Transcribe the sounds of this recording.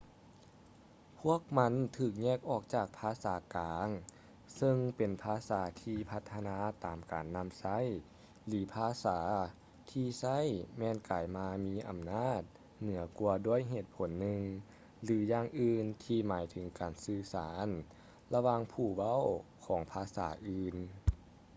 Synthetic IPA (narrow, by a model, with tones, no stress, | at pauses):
pʰu˥˩ək̚ma˧˥nt̪ʰɯː˧˩k̚ɲɛː˥˩k̚ʔɔː˧˩k̚t͡ɕaː˧˨˩k̚pʰaː˧˥saː˩˦kaː˨˦ŋ | sɤ˧ŋpe˨˩npʰaː˧saː˩˦t̪ʰiː˧pʰa˧t̪ʰːa˧naː˧˥t̪aː˨˩mkaː˨˩nːa˧˥msa˧˥˨j | lɯː˩˦pʰaː˧saː˩˦ | t̪ʰiː˧sa˥˨jmɛː˧˨nkaː˨jmaː˧miː˧˥ʔa˨˩mnaː˥˩t̪̚ | nɯ˨˩˦ɐku˧ɐdu˧˥˩əjɦeː˧˩t̪̚pʰo˨˦nːɯ˧ŋ | lɯː˩˦jaː˧˩ŋʔɯː˧nt̪ʰiː˧maː˨˩˦jt̪ʰɯ˨˩˦ŋkaː˨˩nsɯː˧˩saː˩˦n | la˧waː˧˨ŋpʰuː˧˩wa˧˥˨wkʰɔː˩˦ŋpʰaː˧sa̰ː˩˦ʔɯː˧n